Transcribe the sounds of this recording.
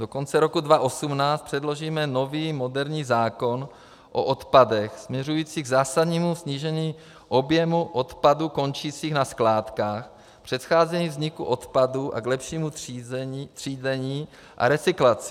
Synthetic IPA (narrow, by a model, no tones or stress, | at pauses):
do̞ko̞nt͡sɛɾo̞kudvaʔosumnaːt͡st̪pr̥ɛdlo̞ʒiːmɛno̞viːmo̞dɛɾɲiːzaːko̞n | ʔoʔot̪padɛxsmɲɛrujiːt͡siːɡzaːsadɲiːmusɲiʒɛɲiː | ʔo̞bjɛmuʔo̞t̪paduko̞nt͡ʃiːt͡siːxnasklaːt̪kaːx | pr̥ɛt̪xaːzɛɲiːvzɲɪkṵʔo̞t̪paduʔa̰ɡlɛpʃiːmu | t̪r̥iːzɛɲiː | ʔa̰ɾɛt͡sɪklat͡sɪ̥